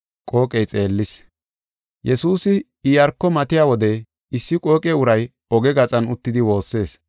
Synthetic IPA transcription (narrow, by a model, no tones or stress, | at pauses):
kʼo̞ːkʼɛjt͡sʼe̞ːlːɪs | jɛsuːsɪ | ɪjɐɾkːɔmɐt̪ɪjaːwɔd̪ɛ | ɪsːɪkʼo̞ːkʼɛʊɾɐj | ɔɡɛɡɐt͡sʼɐnʊt̪ːɪd̪ɪwo̞ːsːe̞ːs